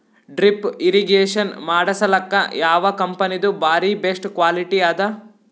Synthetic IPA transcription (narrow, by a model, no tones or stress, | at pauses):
ɖɾipiɾiɡeːʂɐnmaːɽɐsɐlɐkːɐjaːʋɐkɐmpɐnid̪ubaːɾibesʈkʋaːliʈiaːd̪ɐ